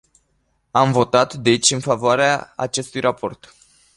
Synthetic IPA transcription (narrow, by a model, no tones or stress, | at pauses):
amvo̞t̪at̪d̪e̞t͡ʃʲɨnfavoaɾea̰ːt͡ʃe̞st̪ujrʔapʰo̞̰rt̪